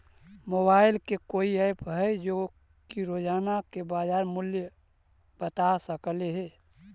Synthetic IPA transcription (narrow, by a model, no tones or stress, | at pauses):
mobaːɪlkekoiaɪpɦɛd͡ʒo | kiɾod͡ʒaːnakebaːd͡ʒaːɾmʊljə | b̥ət̪asəkleɦɛ